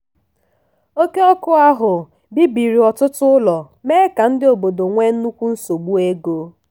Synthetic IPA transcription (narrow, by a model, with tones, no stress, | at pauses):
o˦ke˦ɔ˦kʊ˦a˦ɦʊ˨ | bi˦bi˨ɾi˨ɔ˨tʊ˦tʊ˦lɔ˨ | meː˦ka˨n̩˦dɪ˦o˨bo˨do˨ŋʷe˦n̩˦nu˦kʷu˦n̩˦so˨ɡ͡bu˦e˦ɡo˦